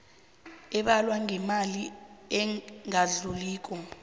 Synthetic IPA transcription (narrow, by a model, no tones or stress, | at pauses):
ɛɓalwaŋɛmaliɛŋaɮuliːk̬ʼɔ